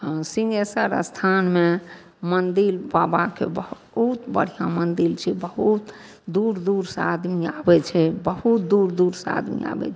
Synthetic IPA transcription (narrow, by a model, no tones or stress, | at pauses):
ɦə̃sĩŋɡesəɾə̰st̪ʰanme | mənd̪ilbabakḛbəɦ | ut̪bə̰ɽ̤ijãmənd̪ilt͡ʃʰɛbəɦut̪ | d̪uɾd̪uɾsa̰d̪miabɛt͡ʃʰɛbəɦut̪̚d̪uɾd̪uɾsa̰d̪mḭa̰bɛ̰t͡ʃʰɛ